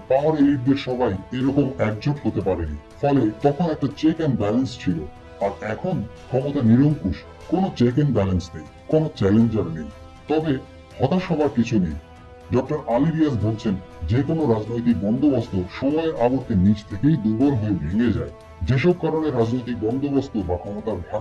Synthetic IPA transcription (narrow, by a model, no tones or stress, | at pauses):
pãoɾeiɾd̪eɾʃɔbajeɾɔkomɛk̚d͡ʑoʈɦot̪epaɾenḭ | fɔlet̪ɔkʰonɛk̚ʈat͡ɕekenbɛlenst͡ɕʰilo | aɾɛkʰonkʰɔmot̪aniɾoŋkuʃ | konot͡ɕekenbɛlensnej | konot͡ɕɛlend͡ʑaɾnej | t̪ɔbe | hɔt̪aʃɔbʱaɾkit͡ɕʰunej | ɖɔk̚ʈaɾaliɾias̬bolt͡ɕʰen | d͡ʑekonoɾad͡ʑnojt̪ik̚bɔnd̪ʱobost̪oʃɔmɔeʔaɡoɾk̪enid͡ʑt̪ʰekejd̪ubɔɾɦoebʱeŋed͡ʑa̰e | d͡ʑeʃ̬ɔb̚kaɾoneɾad͡ʑnojt̪̬ik̚bɔnd̪obost̪obakʰɔmot̪aɾbʱa